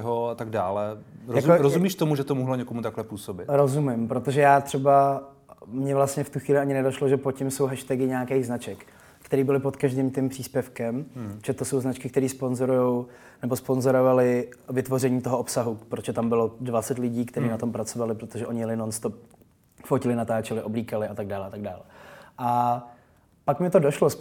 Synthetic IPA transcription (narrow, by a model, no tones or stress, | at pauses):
ɦoat̪aɡ̚daːlɛɾjazoɾozumiːʃt̪omuʒɛt̪omuɦloɲɛkomut̪aklɛpuːsobɪt̪ɾozumɪmpɾot̪oʒɛjaːt̪r̥ɛba | mɲɛvlast̪ɲɛft̪uxʋiːlɪʔaɲɪnɛdoʃloʒɛpocɪmso̞wɦɛʃt̪ɛɡɪɲaakɛjɣznat͡ʃɛk | kːt̪ɛɾiːbɪlɪpo̞t̪kaʒdiːmt̪ɪmpr̝̥iːspjɛfkɛmʒɛt̪oso̞wznat͡ʃkɪk̚t̪ɛɾiːspo̞nzoɾujow | nɛbo̞spo̞nzo̞ɾovalɪvɪt̪vo̞rɛɲiːt̪o̞ɦoʔopsaɦupɾot̪ʒ̥ɛt̪ambɪlo̞dvat͡sɛt̪lɪɟiːkt̪ɛɾiːnat̪o̞mpɾat͡so̞valɪpɾot̪oʒɛʔo̞ɲɪjlɪnonst̪o | focɪlɪnat̪aːt͡ʃɛlɪʔo̞bliːkalɪʔat̪aɡ̚daːlɛʔat̪aɡ̚da̰ːlɛʔa | pakmɪt̪odoʃlo